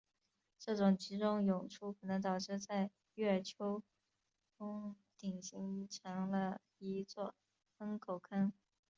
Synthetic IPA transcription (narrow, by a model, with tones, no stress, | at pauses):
ʈ͡ʂɤ˥˩ʈ͡ʂʊ˨˩ŋt͡ɕʰi˧˥ʈ͡ʂʊ˥ŋjʊ˨˩ŋʈ͡ʂʰu˥kʰɤ˨˩nɤ˧˥ŋt̪ɑ˨˩ʊʈ͡ʂɻ̩˥˧t͡sa˥˧ɪ | ɥɛ˥˩ə˞˨˩t͡ɕʰjo˥ʊ | ʈ͡ʂʊ˥ŋ | t̪i˨˩ŋɕi˧˥ŋʈ͡ʂʰjɑ˧˥ŋlə˧ | i˧˥t͡swɔ˥˩ | fə˥ŋkʰo˨˩ʊkʰa˥n